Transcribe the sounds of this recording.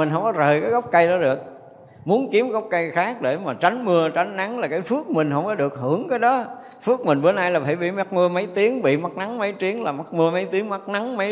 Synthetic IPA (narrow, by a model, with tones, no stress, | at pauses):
i˨˩ŋ̟ɦə˧wŋ͡mkɔ˨˦zəː˨˩jkaː˨˦jɣə˦˥wk͡p̚kə˧jɗɔ˨˦ɗɨ˨˩ək̚ | mu˨˦ənki˨˦əmɣə˦˥wk͡p̚kə˧jxaː˦˥k̚ɗe˧˩maː˨˩t͡ɕa˨˦jŋmɨ˧ət͡ɕa˨˦ŋ̟na˨˦ŋlaː˨˩kaː˨˦jfɨ˦˥ək̚mï˨˩ŋ̟hə˧wŋ͡mkɔ˨˦ɗɨ˨˩ək̚hɨ˧˩əŋkaː˨˦jɗɔ˨˦ | fɨ˦˥ək̚mï˨˩ŋ̟ɓə˨˦nʔaː˧jlaː˨˩faː˧˩jɓḭ˧˨ma˦˥t̚mɨ˧əmə˨˦jt̪i˨˦əŋɓḭ˧˨ma˦˥t̚na˨˦ŋmə˨˦jt̪i˨˦əŋlaː˨˩ma˦˥t̚mɨ˧əmə˨˦jt̪i˨˦əŋma˦˥t̚na˨˦ŋmə˨˦